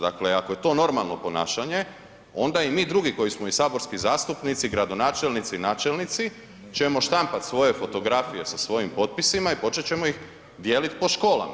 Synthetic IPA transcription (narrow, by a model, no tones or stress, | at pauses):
d̪akleakoje̞t̪o̞no̞ɾmalˠno̞po̞naːʃaɲe̞ | o̞nd̪aimiːd̪ɾuɡiko̞jismo̞isaːbo̞ɾskizaːst̪upnit̪siɡɾad̪o̞naːt͡ʃelnit̪sinaːt͡ʃe̞lnit̪si | t͡ɕe̞mo̞ʃt̪ampat̪sʋo̞je̞fo̞t̪o̞ɡɾafije̞sasʋo̞jimpo̞t̪̚pisimaipo̞t͡ʃet͡ɕe̞mo̞ix | d̪jeːlit̪po̞ʃko̞ːla̰ma